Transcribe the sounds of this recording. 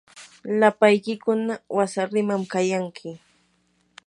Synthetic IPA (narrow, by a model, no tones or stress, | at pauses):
lapajkɪkʊnawasaɾɪmamkajaŋkʰɪ